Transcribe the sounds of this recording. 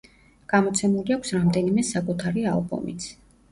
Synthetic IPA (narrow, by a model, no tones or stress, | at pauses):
ɡ̥amɔt̪sʰɛmuliakʷʰsɾamd̪ɛnimɛsakʼut̪ʰaɾia̰lˠbṵmḭt̪sʰ